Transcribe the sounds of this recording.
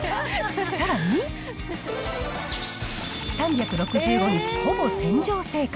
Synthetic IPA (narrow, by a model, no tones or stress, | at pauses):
saɾaɲ̟i | sãmbʲakɯ̟ɾo̞kɯ̟d͡ʑʑɨːɡo̞ɲ̟it͡ɕi̥ho̞bo̞sẽ̞ɲ̟d͡ʑo̞ːse̞ːk